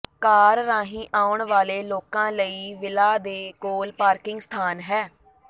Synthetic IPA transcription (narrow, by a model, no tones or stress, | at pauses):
kaːɾːãːɦĩːʔaːʊɳʋaːleːloːkãːləiːʋɪlaːd̪eːkoːlpaːɾkɪŋɡst̪ʰaːnɦɛː